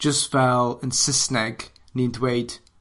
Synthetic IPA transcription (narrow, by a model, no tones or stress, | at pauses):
d̥ʒ̥ʌsfɛlˠə̃nsɪsnɛɡ | nĩndweɪd̥